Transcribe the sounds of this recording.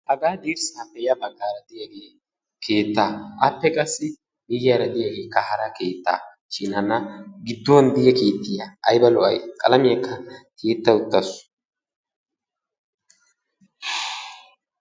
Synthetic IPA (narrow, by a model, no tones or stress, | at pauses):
hɐɡaːd̪iːɾsɐpːɛjɐbɐɡːaːɾɐd̪ɪjaɡeː | kʰeːt̪ːaːʔɐ̰pːɛkʼɐsːɪ | mɪjaɾɐd̪ɪjaɡe̞ːkːɐhɐɾɐke̞ːt̪ːa̰ː | t͡ʃʼiːnɐnːɐɡɪd̪ːond̪ɪjɛkeːt̪ːɪjɐɐjbɐlɔʔɐjkʼɐlɐmɪjɐkʰːɐkʰeːt̪ːɐʊt̪ːɐsʊ̥